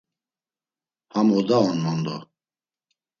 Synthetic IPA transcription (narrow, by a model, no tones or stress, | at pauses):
hamɔd̪aɔnmɔnd̪ɔ̰